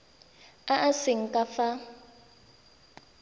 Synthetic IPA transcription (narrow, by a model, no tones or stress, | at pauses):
aʔasɪŋ̩kʼafa